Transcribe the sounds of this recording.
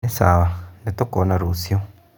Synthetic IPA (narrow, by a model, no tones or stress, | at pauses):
ɛsaβandɛt̪ɔkɔnaɾusjɔ